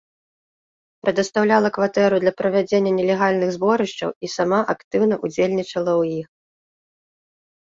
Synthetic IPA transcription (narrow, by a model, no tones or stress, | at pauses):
pɾɛd̪ɐst̪awlʲalˠɐkvat̪ɛɾud̪lʲɐpɾɐvʲad͡zʲenʲːɐnʲɛlʲɛɣalʲnɨɣzbɔɾɨʂt͡ʂɐ̰wisamaʔakt̪ɨwnɐʔud͡zʲelʲnʲit͡ʂɐlˠɐwjix